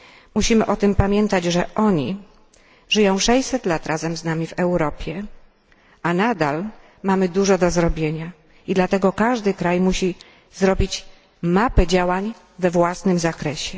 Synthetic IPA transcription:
muɕimɘʔɔt̪ɘmpamʲjɛnt̪ad͡ʑʐɛʔɔɲi | ʐɘjɔ̃w̃ʂɛjsɛt̪lat̪ɾʔazɛmznamʲivɛwɾɔpʲjɛ | anad̪al | mamɘd̪uʐɔd̪ɔzɾɔbʲjeɲa | id̪lat̪ɛɡɔkaʐd̪ɘkɾajmuɕi | zɾɔbʲit͡ɕ | mapɛd͡ʑawaɲ | vɛvwasnɘmzakɾɛɕɛ

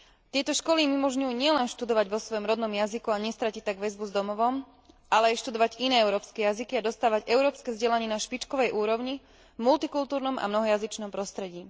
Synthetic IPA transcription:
t̪ɪɛt̪ɔʃkɔlimimɔʒɲujuːɲɪɛlɛnʃt̪ud̪ɔʋaɟʋɔsʋɔjɔmɾɔd̪nɔmjazikuaɲɛst̪ɾacic̚t̪aɡʋɛzbuzd̪ɔmɔʋɔm | ʔalɛajʃt̪ud̪ɔʋaɟinɛːɛʊɾɔːpskɛjazikiad̪ɔst̪aːʋaɟɛʊɾɔːpskɛzɟɛlaɲɪɛnaʃpit͡ʃkɔʋɛjʔuːɾɔʊɲi | mult̪ikult̪uːɾnɔmʔa̰mnɔɦɔjazit͡ʃnɔmpɾɔst̪ɾɛɟiː

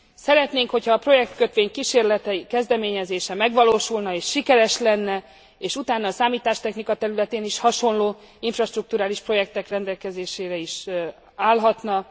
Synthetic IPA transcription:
sɛɾɛt̪neːŋkho̞cʰhɒːpro̞jɛk̚t̪køt̪ʋeːɲkiʃeːrlɛt̪ɛikɛzd̪ɛmeːɲɛzeːʃɛmɛɡʋɒloːʃulnɒeːʃːikɛɾɛʃlɛnːɛ | eːʃut̪aːnːɒːsaːmiːt̪aːʃt̪ɛxnikɒt̪ɛɾylɛt̪eːniʃhɒʃo̞nloː | iɱfrɒʃt̪ruk̚t̪uɾaːliʃpro̞jɛk̚t̪ɛkrɛnd̪ɛlkɛzeːʃeːɾɛiʃ | aːlɦɒt̪nɒ

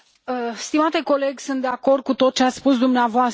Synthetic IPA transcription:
əst̪imat̪e̞ko̞le̞ɡʲsunt̪̚d̪e̞ako̞rd̪̚kut̪o̞t̪̚t͡ʃeat̪sspusd̪umneavoas

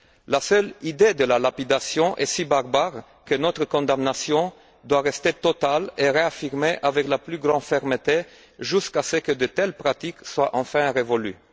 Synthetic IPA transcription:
lasœlid̪ed̪əlalapid̪asjɔ̃ʔɛsibaʁbaʁ | kənɔt̪χəkɔ̃d̪amnasjɔ̃ | d̪waʁɛst̪et̪ɔt̪aleʁeafiʁmeʔavɛklaplyɡʁɑ̃d̪fɛʁmət̪e | ʒyskasəkəd̪ət̪ɛlpʁat̪ikswaʔɑ̃fɛ̃ʁevɔly̰

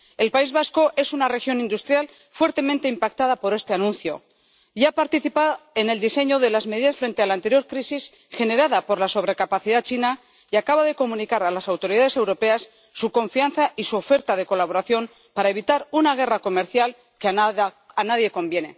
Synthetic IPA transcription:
e̞lpaizβasko̞ʔe̞sunare̞xjo̞nĩnd̪ust̪ɾjal | fwe̞ɾt̪ement̪e̞impak̚t̪aðapo̞ɾe̞st̪e̞anũnθjo̞̰ | japaɾt̪iθipae̞ne̞ld̪ise̞ɲo̞ðe̞lazme̞ðiðasfɾe̞nt̪ealant̪e̞ɾjo̞ɾkɾisis | xe̞ne̞ɾaðapo̞ɾlaso̞βɾe̞kapaθiðat͡ʃina | jakaβaðe̞ko̞mũnikaɾalasawt̪o̞ɾiðaðe̞se̞wɾo̞pe̞asː | uko̞ɱfianθaisuofe̞ɾt̪að̞e̞ko̞laβo̞ɾaθjo̞m | paɾae̞β̞it̪aɾunaɣ̞e̞rako̞me̞ɾθjal | kea | anaðje̞ko̞mbje̞ne̞

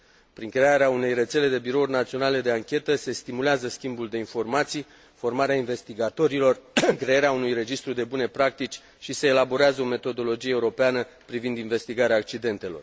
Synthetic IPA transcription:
pɾiŋkɾe̞aɾeaune̞jre̞t̪se̞le̞d̪e̞biɾo̞urʲnat̪sio̞nale̞d̪e̞aŋkʲe̞t̪əse̞st̪imuleazəskʲimbuld̪e̞info̞rmat̪sij | fo̞rmaɾeainve̞st̪iɡat̪o̞ɾilo̞rkɾe̞eɾeaunujre̞d͡ʒist̪ɾud̪e̞bune̞pɾak̚t̪it͡ʃʲ | ʃise̞ːlabo̞ɾeazəo̞me̞t̪o̞d̪o̞lo̞d͡ʒieːuɾo̞peanə | pɾivind̪inve̞st̪iɡaɾeaːk̚t͡ʃid̪e̞nt̪e̞lo̞r

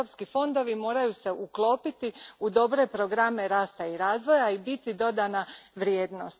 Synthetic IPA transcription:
opskifo̞nd̪o̞ʋimo̞ːɾajuse̞ʔuklˠo̞ːpit̪iud̪o̞bɾe̞pɾo̞ɡɾame̞ɾaːst̪aiɾaːzʋo̞jaibit̪id̪o̞d̪anaʋɾjeːd̪no̞st̪

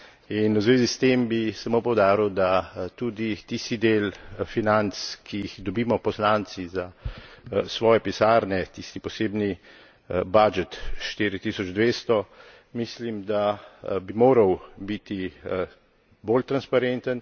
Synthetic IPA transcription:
inwzʋeːzist̪embisamoːpɔwd̪aːɾiwd̪at̪ud̪it̪ist̪id̪eːlfinant̪skijixd̪ɔbiːmɔpɔslant̪siza | sʋɔːjɛpisaːɾnɛt̪ist̪ipɔseːbni | bad͡ʒɛt̪ʃt̪iːɾit̪iːsɔd͡ʒd̪ʋeːst̪ɔ | mislimd̪abimoːɾɐwbit̪i | bolt̪ɾanspaɾent̪ən

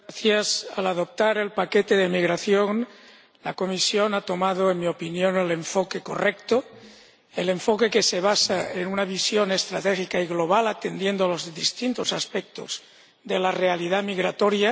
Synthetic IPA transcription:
aθjasalaðo̞p̚t̪aɾe̞lpaket̪eðemiɣɾaθjon | lako̞misjonat̪o̞maðoenmio̞pinjo̞neleɱfokeko̞rekt̪o | ele̞ɱfoke̞keseβ̞asaenunaβisjo̞ne̞st̪ɾat̪exikaiɣlo̞β̞alat̪end̪je̞nd̪oalozðist̪int̪osaspek̚t̪oz̥ | ðelarealiðamiɣɾat̪oɾja

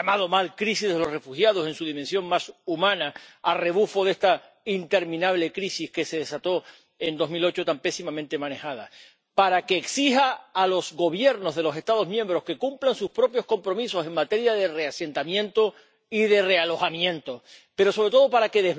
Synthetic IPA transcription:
amaðo̞malkɾisihðelo̞re̞fuhjað̞o̞sẽ̞nsuðimẽnsjo̞ŋmasumãnaːre̞β̞ufo̞ðe̞st̪a | int̪e̞ɾmĩnaβ̞le̞kɾisihke̞se̞ðe̞sat̪o̞ | end̪o̞zmilo̞t͡ʃo̞t̪ampesimãmẽnt̪e̞mãne̞hað̞a̰ | paɾakeːksihaːlo̞zɣo̞β̞je̞ɾno̞zðe̞lo̞se̞st̪að̞o̞zmjẽ̞mbɾo̞ske̞kumplansuspɾo̞pjo̞sko̞mpɾo̞miso̞se̞ŋmat̪e̞ɾjaðe̞re̞ase̞nt̪amjẽ̞nt̪o̞ | iðe̞re̞alo̞xamjẽ̞nt̪ope̞ɾo̞soɾe̞t̪oðo̞paɾake̞ðe

